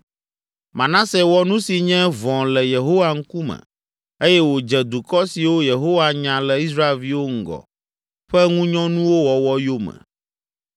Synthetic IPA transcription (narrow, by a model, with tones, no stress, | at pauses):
mã˨nã˦se˨wɔ˦nũ˦si˨ɲɛ̃˦vɔ̃˨lɛ˨je˨ɦo˦wa˨ŋ̩˦ku˦mɛ̰̃˨ | e˦jɛ˦wo˨d͡ʒɛ˨d̪u˨kɔ˦si˨wo˦je˨ɦo˦wa˨ɲã˨lɛ˨i˦sɾa˦e˨lvi˦wo˦ŋ̩˨ɡɔ̰˨ | ɸɛ˦ŋũ˦ɲɔ̃˦nũ˦wo˦wɔ˨wɔ˦jo˦mɛ̰̃˨